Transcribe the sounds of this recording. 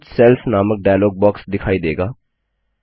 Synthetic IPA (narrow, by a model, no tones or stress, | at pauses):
tselpʰnamɐk̚ɖajaloɡ̚bɔksd̪ikʰajd̪eɡa